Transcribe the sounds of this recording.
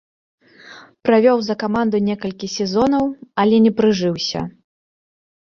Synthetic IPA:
pɾavʲɔwzɐkamand̪unʲɛkɐlʲkʲisʲɛzɔnɐwɐlʲɛnʲɛpɾɨʐɨwsʲɐ̰

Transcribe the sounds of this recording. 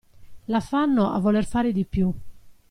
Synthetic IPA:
lafanːoʔa̰vːɔlɛrfaːɾed̪ipju

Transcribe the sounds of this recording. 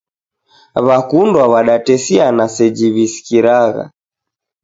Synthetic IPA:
βakundwaβaɗatɛsianasɛd͡ʒiβisi̥kiɾaɣa̰

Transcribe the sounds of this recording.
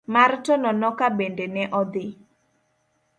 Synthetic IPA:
martɔnɔnɔkabendenɛʔɔd̪ɪ

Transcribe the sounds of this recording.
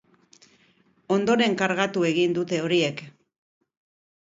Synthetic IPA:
o̞nd̪o̞ɾe̞ŋkaɾɣat̪ue̞ɣind̪ut̪e̞o̞ɾie̞k

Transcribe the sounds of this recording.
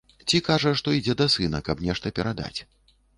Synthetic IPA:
t͡sʲikaʐɐʂt̪ɔid͡zʲɛd̪ɐsɨnɐkɐbnʲɛʂt̪ɐpʲɛɾad̪a̰t͡sʲ

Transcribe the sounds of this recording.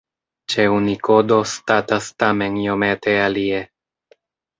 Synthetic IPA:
t͡ʃe̞uniko̞do̞statastame̞njo̞me̞te̞alie̞

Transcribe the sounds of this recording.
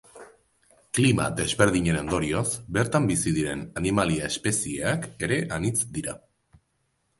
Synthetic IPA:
klima̰d̪e̞zβe̞ɾð̞iɲe̞no̞nd̪o̞ɾiozbe̞ɾt̪ambisiðiɾe̞nanimaliae̞spe̞sieake̞ɾe̞ʔanit͡sd̪iɾa

